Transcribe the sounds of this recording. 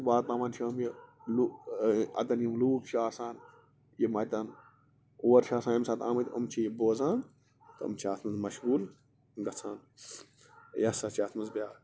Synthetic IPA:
ʋaːt̪ãːʋaːnt͡ʃʰɐmjilu | ɐ̰t̪ɐnjimluːkʃaːsaːn | jimɐt̪ɐn | oːɐɾʃaːsãːnimsat̪aːmɐt̪ɐmt͡ʃʰijiboːzãːn | t̪ɐ̰mt͡ʃʰiaːt̪ʰmɐnzmɐʃɣuːl | ɡɐt͡sʰaːn | jɐsɐt͡ʃʰiaːt̪ʰmɐnzbʲaː

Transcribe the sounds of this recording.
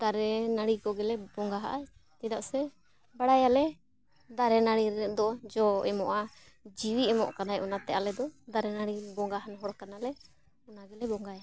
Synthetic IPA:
d̪aɾɛnaɽikɔɡɛlɛbɔŋɡaɦa̰ʔa | t̪ɛd̪aʔsɛ | baɽajalɛ | d̪aɾɛnaɽiɛd̪ɔd͡ʒɔɛmɔʔa | d͡ʒiwiɛmɔ̰ʔkanajʔɔnat̪ɛʔalɛd̪ɔd̪aɾɛnaɽibɔŋɡaɦanɦɔɽkanalɛ | ɔnaɡɛlɛbɔŋɡaja

